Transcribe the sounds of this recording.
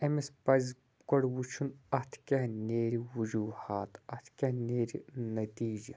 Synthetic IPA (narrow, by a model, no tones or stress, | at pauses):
emespɐz | kɐɽwut͡ʃʰunɐt̪ʰkʲɐɦneːɾiwud͡ʒuːhaːt̪ɐt̪ʰkʲɐneːɾinɐt̪iːd͡ʒi